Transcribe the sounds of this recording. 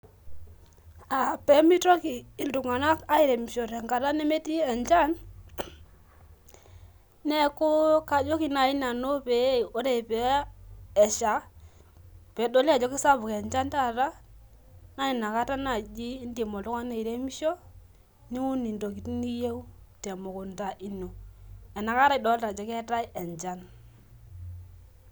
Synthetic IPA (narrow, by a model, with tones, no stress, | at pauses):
a˨pɛ˨˦mi˦tɔ˦ki˨ɪ˨ndu˨ŋa˨na˦ka˦i˨ɾe˨mi˨ʃɔ˨ɾɛ˨ŋka˨ɾa˦nɛ˦me˦ti˦ɛ˨nt͡ʃa˦n | nɛ˦kʊ˦ka˨d͡ʒɔ˦ki˨na˨ɪ˦na˨no˦pɛ˨˦˨o˦ɾe˨pɛː˨˦˨ | ʃa˨˦ | pɛ˨˦do˦la˨d͡ʒɔ˦kɪ˦sa˦bʊ˨kɛ˨ɲd͡ʒa˦nta˦˨ɾa˦ | na˦ni˨na˨ka˦ta˦na˨d͡ʒiː˦ndi˨mɔ˨tu˦ka˦ne˨i˨ɾe˦mi˦ʃo˦ | ni˦ŋu˦ni˨ndo˨ki˨tni˦je˦u˦tɛ˨mo˨kʊ˨nta˨ʔi˦no˨ɛ˨na˨ka˦ɾa˦i˨dɔ˨˦lta˨d͡ʒɔ˨˦kɛ˦ta˦i˦ɛ˨nt͡ʃa˦n